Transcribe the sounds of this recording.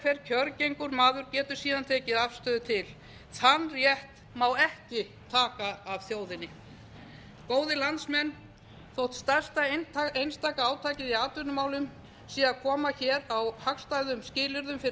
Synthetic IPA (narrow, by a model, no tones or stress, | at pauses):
feɾcʰœɾcejŋkʏɾmaːðʏɾcɛːt̪ʏɾ̥siːðant̪ʰeːcɪðafst̪œːðʏt̪ʰɪl | θanːrjɛht̪ | mawɛhcɪ | t̪ʰaːkaːv̥θjoːwðɪnːɪ | koːwðɪlant̪smɛnː | θowht̪st̪ar̥st̪aejnst̪aːkaaːwt̪ʰaːcɪðiaːt̪ʏnʏmaːwlʏm | siːakʰɔːmaçɛːɾawhakst̪ajðʏmscɪːlɪɾðʏmfɪ